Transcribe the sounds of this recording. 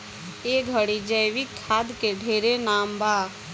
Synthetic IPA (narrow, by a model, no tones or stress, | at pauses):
eɡʱəɽid͡ʒəjʋikʰːaːd̪keɖʱeːɾenaːmbaː